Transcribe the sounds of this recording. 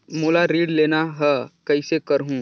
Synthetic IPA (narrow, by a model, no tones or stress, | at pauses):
moːlaɾiːɖleːnaɦəkɐisekəɾɦũː